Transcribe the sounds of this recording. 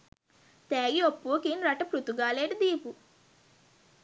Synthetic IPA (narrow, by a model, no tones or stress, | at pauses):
t̪eːɡiopːuɐkinɾɐʈɐpɾut̪uɡaːleːʈɐd̪iːpu